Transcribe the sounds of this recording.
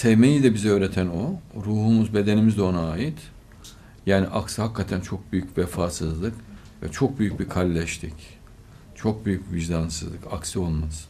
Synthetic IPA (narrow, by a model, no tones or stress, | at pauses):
sevmejid̪ɛbizø̞ːɾet̪ʰænoɾuːhumuzbe̞d̪e̞nimizd̪ɛo̞naːjit̪ | jaːniʔaksɯhakʰːat̪ʰænt͡ʃʰo̞k̚byjycvɛfaːsɯzlˠɯk | vɛ̰t͡ʃʰo̞k̚byjyc̚bikʰalʲːɛʃt̪ʰic | t͡ʃʰo̞k̚byjyc̚biviʒd̪ansɯzlˠɯkaksɯo̞lˠmaz̥